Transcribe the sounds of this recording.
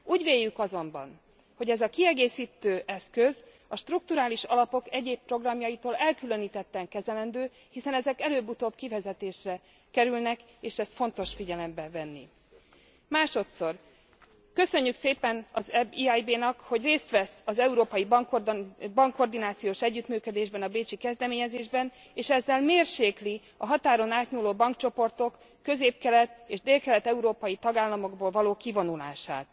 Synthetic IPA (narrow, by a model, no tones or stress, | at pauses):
uːɟʋeːjːykɒzo̞mbɒ̰n | ho̞ɟɛzɒkiɛɡeːsiːt̪øːʔɛskø̞z | ɒʃt̪ruk̚t̪uɾaːliʃɒlɒpo̞kɛɟeːppro̞ɡrɒmjɒjit̪oːlɛlkylø̞niːt̪ɛt̪ːɛŋkɛzɛlɛnd̪øː | hisɛnɛzɛkɛløːbut̪oːbkivɛzɛt̪eːʃrɛ | kɛɾylnɛk | eːʃɛst̪fo̞nt̪o̞ʃfiɟɛlɛmbɛvɛnːi | maːʃo̞t̪so̞r | kø̞sø̞ɲːykseːpɛnɒzɛbiajbeːnɒkho̞ɟreːst̪ʋɛsɒzɛuɾoːpɒjibŋkbɒŋkːo̞rd̪inaːt̪sijoːʃɛɟːyt̪myːkød̪eːʒbɛnɒbeːt͡ʃikɛzd̪ɛmeːɲɛzeːʒbɛn | eːʃɛzːɛlmeːrʃeːkli | ɒɦɒt̪aːɾo̞naːt̪ɲuːloːbɒŋkt͡ʃo̞po̞rt̪o̞kː | ø̞zeːp̚kɛlɛt̪eːʒd̪eːlkɛlɛt̪ɛuɾoːpɒjit̪ɒɡaːlːɒmo̞ɡboːlvɒloːkivo̞nula̰ːʃa̰ːt̪